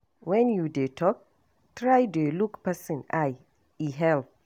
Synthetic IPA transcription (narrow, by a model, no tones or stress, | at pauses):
wɛ̃njudetʰɔk̚ | tɹajdelukpɛsə̃naj | iɦɛl